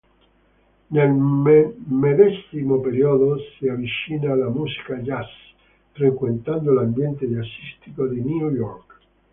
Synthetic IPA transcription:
nelmmeðɛsimopeɾiɔðosiavit͡ʃiːnalamusi̥kad͡ʒas | fɾekwent̪and̪olambjɛnt̪easist̪ikod̪iniujɔrk

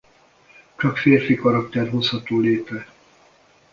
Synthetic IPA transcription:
t͡ʃɒkfeːrfikɒɾɒkt̪ɛrɦo̞shɒt̪oːleːp̪rɛ

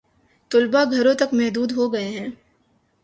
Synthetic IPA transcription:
t̪ʊlbaɡʱɐɾõt̪ɐkmɛɦd̪uːd̪ɦoɡɐeɦɛ̃ː

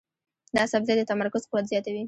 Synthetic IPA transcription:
d̪əasabzed̪ət̪amaɾkʊz̥qɪwat̪zjɑt̪awi

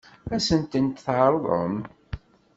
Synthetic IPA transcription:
æsənt̪ənt̪θʕəɾˤðˤə̰m

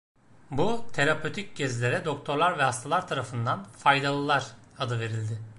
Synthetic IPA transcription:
but̪ʰe̞ɾapʰøt̪ʰic̚ɟɛzlʲe̞ɾɛd̪o̞kt̪ʰo̞ɾlˠaɾvɛɦast̪ʰalˠaɾt̪ʰaɾafɯnd̪anfajd̪alˠɯlˠaɾ̥ | ad̪ɯve̞ɾilʲd̪ɪ

